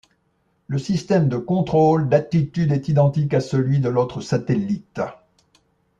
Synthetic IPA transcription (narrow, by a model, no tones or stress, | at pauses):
ləsist̪ɛmd̪əkɔ̃t̪χold̪at̪it̪yd̪ɛt̪id̪ɑ̃t̪ikasəlɥid̪əlot̪χəsat̪ɛlit̪